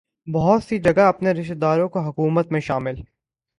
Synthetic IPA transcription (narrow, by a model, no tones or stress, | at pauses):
bɐɦʊt̪sid͡ʒɐɡaɐpneɾɪʃt̪d̪aːɾõkoɦɐkuːmət̪mẽʃaːmɪl